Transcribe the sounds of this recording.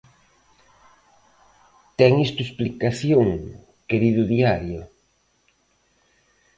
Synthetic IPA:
t̪ɛŋest̪uesplikaθjoŋ | keɾiðʊðiaɾjʊ

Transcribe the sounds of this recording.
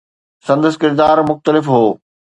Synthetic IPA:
sɐ̃nd̪əsɪ̥kɪɾd̪aːɾmʊxt̪əlɪfɦoː

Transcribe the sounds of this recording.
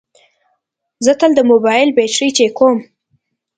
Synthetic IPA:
zət̪əld̪əmobɑjɪlbet͡ʃɾit͡ʃekom

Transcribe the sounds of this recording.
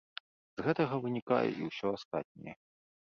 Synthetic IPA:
z̥ɣɛt̪ɐɣɐvɨnʲika̰jɛ̰ʔiwsʲɔast̪at̪̚ʲnʲɛ̰jɛ

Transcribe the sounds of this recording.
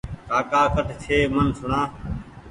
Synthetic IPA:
kaːkaːkəʈt͡ʃʰeːmənsʊɽãː

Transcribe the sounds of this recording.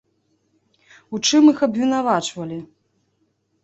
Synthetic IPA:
ut͡ʂɨmixɐbvʲin̪avat͡ʂvɐlʲi

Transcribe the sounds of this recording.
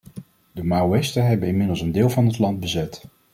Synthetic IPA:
dəmawɛstəɦɛbənɪnmɪdəlˠsəndɪːlˠvɑnɦətlɑnd̚bəzɛt

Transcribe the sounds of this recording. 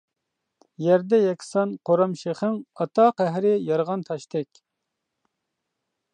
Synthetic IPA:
jɛɾd̪ɛjɛkʲʰsɑnqʰoɾɑmʃeχɪŋɑt̪ʰɑqæɦɾɪjɑɾʁɑnt̪ʰɑʃt̪ʰɛkʲ

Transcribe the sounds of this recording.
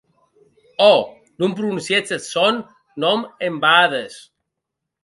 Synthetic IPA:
ɔ | numpɾunuunsjet͡sesonː | ɔmembaðes

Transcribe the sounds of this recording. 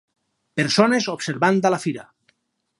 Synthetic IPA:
peɾsonezobseɾβand̪alafiɾa

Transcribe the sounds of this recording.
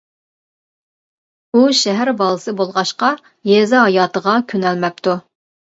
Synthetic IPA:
uʃɛɦæɾbɑlˠɨsɨbolˠʁɑʃqɑ | jezɑɦɑjɑːt̪əʁɑkʲʰønɛlmɛp̚t̪u

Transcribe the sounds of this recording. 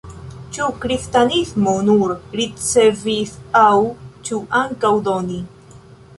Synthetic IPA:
t͡ʃukɾistanismonuɾɾit͡se̞visawt͡ʃuʔaŋkawdoni

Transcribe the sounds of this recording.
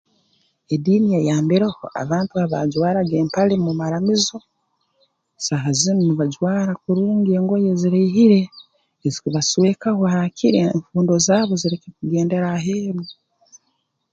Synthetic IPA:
ediːnijejaːmbiɾeho̰ʔa̰βaːntuaβa̰ɟwaːɾaɡeːmpalemumaɾamizo̞ | saɦazinniβaɟwaːɾakuɾuːŋɡie̞ːŋɡo̞jeziɾeːɦiɾe̞ː | zikuβaswe̞kahohacʰiɾeɱfuːndo̞zaːβo̞ziɾekekuɡe̞ːnde̞ɾaɦeːβi

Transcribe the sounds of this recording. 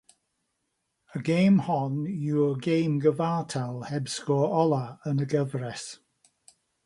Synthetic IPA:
əɡejmhɔnjuːəɡejmɡəvaːtʰalˠhɛbskɔːɹɔlˠaənəɡəvrɛs

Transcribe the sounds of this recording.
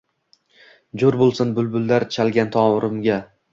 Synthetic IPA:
d͡ʒoɾbolˠsɪnbʊlˠbʊlˠd̪aɾt͡ʃʰalɡʲant̪ʰɒwɾɪmɡʲa

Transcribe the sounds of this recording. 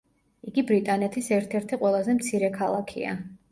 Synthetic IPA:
iɡibɾit̪ʼanɛt̪ʰisɛɾt̪ʰɛɾt̪ʰiqʼwɛlˠazɛmt̪sʰiɾɛkʰalˠakʰḭa̰

